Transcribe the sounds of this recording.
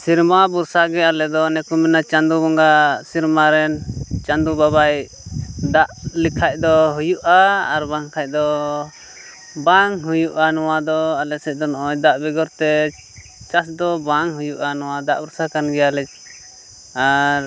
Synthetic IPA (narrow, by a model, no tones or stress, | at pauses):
siɾmabuɾsaɡɛalɛd̪ɔnɛkumɛnat͡ʃand̪ubɔŋɡasiɾmaɾɛnt͡ʃand̪ubabaj | d̪aʔlikʰac̚d̪ɔɦujuʔaːɾbaŋkʰac̚ˀd̪ɔ | baŋɦujuʔanɔwad̪ɔalɛsɛc̚ˀd̪ɔnɔʔɔɲd̪aʔbɛɡɔɾt̪ɛ | t͡ʃasd̪ɔbaŋɦujuʔanɔwad̪aʔbuɾsakanɡɛjalɛt͡ʃ̚ | aɾ